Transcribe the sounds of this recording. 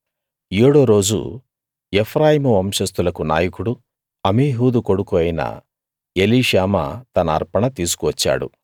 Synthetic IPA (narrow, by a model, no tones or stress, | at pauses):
eːɽoːɾo̞ːd͡ʒṵ | epʰɾaːjimuʋɐmʂɐst̪ulɐkuna̰ːjɐkuɽu | ɐmiːɦuːd̪uko̞ɽukuɐjinɐ̰ | eliːʃaːmɐ̰t̪ɐnɐ̰ːɾpɐɳɐt̪iːs̬u̥kuʋɐt͡ʃːa̰ːɽṵ